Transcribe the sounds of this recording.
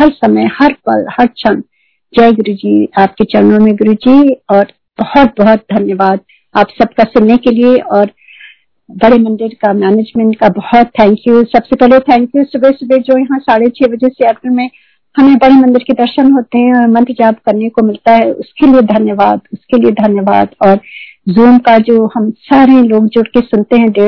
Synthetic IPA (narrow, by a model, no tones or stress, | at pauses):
hɐɾsɐməjhɐɾpɐ̰lhɐɾt͡ʃʰɐn | d͡ʒɛːɡʊɾud͡ʒiːaːp̚ket͡ʃɐɾnõmẽɡʊɾud͡ʒiːɔːɾ | b̥ɐhɔt̪̚bɔɦɔt̪̚d̪ʱɐnjəʋaːd̪̚ | aːpsɐb̚kasʊnːekelieʔɔːɾ | bɐɽemɐ̃nɖɪɾkamɛːneːd͡ʒmɛ̃ɳʈkabɐhɔt̪ʰːɛ̃ːŋkjuːsɐbsepɛɦlet̪ʰɛ̃ːŋkjusʊbesʊbed͡ʒoːjɐɦãsaːɽet͡ʃʰeːbɐd͡ʒɛseɐbbɪnmẽ | hɐmẽbɐɽemɐ̃nd̪əɾkid̪ɐɾʃənɦoːt̪eɦɛ̃ɔːɾmɐ̃nt̪d͡ʒaːbkɐɾnekomɪlt̪aɦɛʊ̰skelied̪ʱɐnjəʋaːd̪ʊskelied̪ʱɐnjəʋa̰ːd̪ɔːɾzuːmkad͡ʒoːhɐmsaːɾeloːɡd͡ʒʊɽkesʊnt̪eɦɛ̃ɖeː